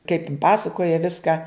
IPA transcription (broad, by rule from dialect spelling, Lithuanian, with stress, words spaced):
kɐɪp ɪn ˈpɑːsɐkoːjɛ ˈʋʲɪskɐ